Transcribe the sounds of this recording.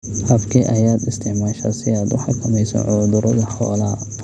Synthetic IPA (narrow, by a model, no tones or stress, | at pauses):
ʔɐbkʰiʔɐjaːd̪ɪst̪ʰɪʕmaːʃɐ̰sɪaːd̪ʊħɑkʰɐmɛjsɔ̰ʕʊːd̪ʊɾɔðɐħɔ̰ːlɐ